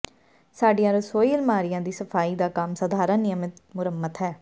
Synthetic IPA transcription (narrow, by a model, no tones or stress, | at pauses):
saːɖijãːɾəsoːiːlmaːɾɪjãːd̪iːsəpʰaːiːd̪aːkamsəd̪ʱaːɾənɪjəmɪt̪mʊɾəmːət̪ɦɛː